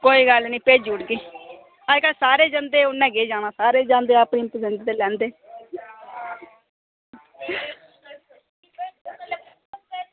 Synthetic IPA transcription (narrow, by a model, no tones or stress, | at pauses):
koːiːɡəlnĩːpeːd͡ʒuːʈkiː | aːd͡ʒkasaːɾeːd͡ʒənd̪eːʊnːɛ̃ːɡeːd͡ʒaːnaːsaːɾeːd͡ʒãːnd̪eːapniːmpəzənʈ̪t̪eːlɛ̃ːnd̪eː